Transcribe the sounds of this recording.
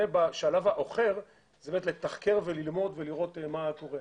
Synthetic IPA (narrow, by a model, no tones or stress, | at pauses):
ebaʃalavhaʔo̞χe̞ʁ | z̥ebemet̪let̪aχke̞ʁvelilmo̞d̪veliʁo̞t̪mako̞ʁe